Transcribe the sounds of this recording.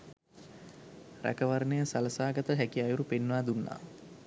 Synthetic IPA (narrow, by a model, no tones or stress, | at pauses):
ræ̰kəʋaɾnejəsaləsaːɡət̪əɦækiajuɾupenːʋaːd̪unːa̰ː